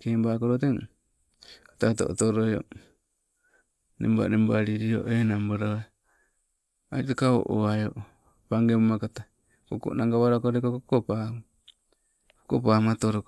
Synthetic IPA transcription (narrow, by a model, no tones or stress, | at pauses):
kembakoɾoteŋ | kḁtat̬o̰ʔo̰toɾojo̰ | nemba̰nembaɾiɾio̰ʔenambaɾae | a̰itakao̰ʔoajoʔ | paŋɡemomakata | koko̰ʔnaŋɡaβaɾakoɾekokokopa | kokopamatoɾok